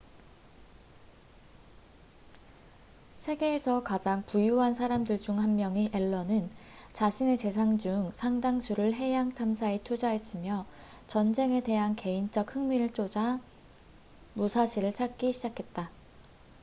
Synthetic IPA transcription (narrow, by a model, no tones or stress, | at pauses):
sʰe̞ɡe̞ːsʰʌkad͡ʑaŋpujuɦansʰaɾamdɯɭd͡ʑuŋɦanmjʌŋiʔe̞ɭːʌnɯnt͡ɕaɕʰine̞t͡ɕe̞sʰaŋd͡ʑuŋsʰaŋdaŋsʰuɾɯɭɦe̞jaŋtʰamsʰaetʰud͡ʑaɦe̞s͈ɯmjʌ | t͡ɕʌnd͡ʑe̞ŋe̞de̞ɦanke̞int͡ɕ͈ʌk̚hɯŋmiɾɯɭt͡ɕ͈od͡ʑa | musʰaɕʰiɾɯɭt͡ɕʰak̚k͈iɕʰid͡ʑakʰe̞t̚t͈a